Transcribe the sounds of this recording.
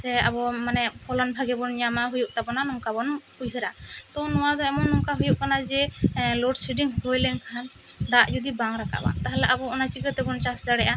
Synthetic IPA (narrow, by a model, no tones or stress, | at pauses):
sɛa̰bɔmanɛpʰɔlɔnbʱaɡɛbɔnɲamaɦujuʔ̚t̪abɔnanɔŋkabɔnhujɦəɾat̪ɔnɔwad̪ɔɛmɔnːɔŋkaɦujuʔkanad͡ʒɛlɔɖsiɖiŋhɔjlɛŋkaɦan | d̪aʔd͡ʒɔd̪ibaŋɾaka̰ʔba̰t̪aɦalɛʔabɔɔnat͡ʃikət̪ɛbɔnt͡ʃasd̪aɽɛʔa